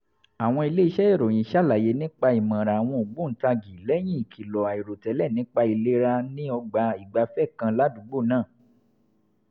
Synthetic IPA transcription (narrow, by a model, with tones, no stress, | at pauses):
a˨w̃ɔ̃˧i˧le˦i˦˧ʃɛ˦e˦˨ɾo˨j̃ĩ˨˦ʃa˦˨la˨je˨˦nĩ˦k͡pa˧i˨mã˨ɾa˨a˨w̃ɔ̃˧o˨ɡ͡bũ˦n̩˨˦ta˧ɡi˨lɛ˦j̃ĩ˦i˨kʰi˨lɔ˨a˨i˨ɾo˨tɛ˨˦lɛ˦˨nĩ˨˦k͡pa˧i˨le˦ɾa˧nĩ˦ɔ˧ɡ͡ba˧˦i˨ɡ͡ba˧fɛ˦˨kã˧la˦dũ˨˦ɡ͡bo˦˨nãː˦˨